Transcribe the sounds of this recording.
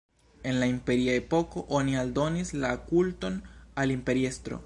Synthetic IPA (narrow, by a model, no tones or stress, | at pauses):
e̞nlaimpe̞ɾiae̞po̞ko̞ʔo̞nialdo̞nislakulto̞nalimpe̞ɾie̞stɾo̰